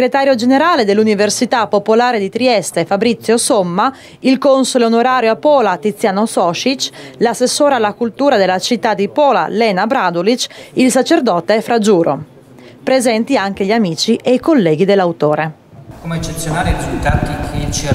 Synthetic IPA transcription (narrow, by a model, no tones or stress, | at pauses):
sɡɾet̪aːɾjod͡ʒeneɾaːled̪elːuniversit̪apːopolaːɾed̪it̪ɾiɛst̪efabɾit̪sːjosomːa | ilkonsoleonoɾaːɾjoapːɔːlat̪it̪sːjaːnosɔʃit͡ʃlasːesːoːɾealːakult̪uːɾad̪elːat͡ʃit̪ːad̪ipɔːla̰lɛːnabɾad̪olit͡ʃilsat͡ʃerd̪ɔːt̪efɾad͡ʒuːɾo̰ | pɾezɛnt̪iaŋk̟eʎamiːt͡ʃiʔejkolːɛːɡ̟id̪elːawt̪oːɾe | komeet͡ʃːet̪sjonaːɾeiɾizult̪aːt̪ikʰet͡ʃ